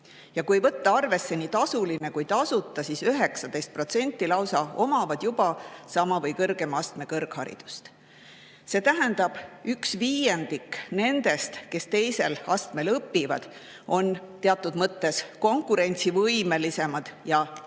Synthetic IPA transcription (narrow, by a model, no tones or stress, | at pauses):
jɑkuejvɤt̪ːˑɑɑrve̞sːe̞niːt̪ɑsuline̞kujt̪ɑsut̪ːˑɑsisyɦe̞ksɑd̪̥ejst̪̚pro̞t̪se̞nʲt̪ˑːilɑwsɑo̞mɑvɑd̪̥jub̥ɑsɑmɑvɤjkɤrɡ̥e̞mɑst̪me̞kɤrɡhɑɾḭd̪̥u̥st̪ | se̞ːt̪æɦænd̪̥ɑb̥yksviːje̞nd̪̥ikːne̞nd̪̥e̞st̪ke̞st̪e̞jse̞lɑst̪me̞lɤpːivɑ̰d̪̥ | o̞nt̪eɑt̪ːˑud̪̥mɤt̪ːe̞sko̞ŋkˑuɾe̞nʲt̪sivɤjme̞lise̞mɑd̪̥jɑ